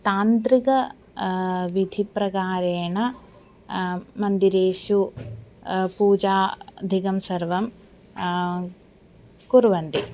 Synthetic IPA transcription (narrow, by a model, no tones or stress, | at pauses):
t̪aːnt̪ɾikɐ | ʋid̪ʱipɾɐɡaːɾeːɳɐ | mɐnd̪iɾeːʃu | puːd͡ʒaːd̪ʱiɡɐmsɐɾʋɐm | kuɾʋɐnd̪i